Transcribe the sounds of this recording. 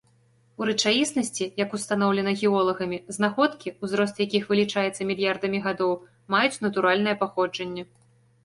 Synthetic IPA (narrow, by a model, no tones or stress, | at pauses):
uɾɨt͡ʂajʲisnɐsʲt͡sʲijɐkust̪anɔwlʲɛnɐɣʲiɔlˠɐɣɐmʲiznaxɔt̪kʲiuzɾɔst̪jakʲixvɨlʲit͡ʂajɛt̪sːɐmʲilʲjard̪ɐmʲiɣad̪ɔw | majut͡sʲn̪ɐt̪uɾalʲnɐjɛpaxɔd͡ʐɐnʲːɛ